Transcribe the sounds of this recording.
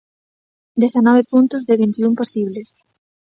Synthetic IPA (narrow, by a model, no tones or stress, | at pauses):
d̪eθanɔβepunt̪ʊzðɪβint̪iumposiβles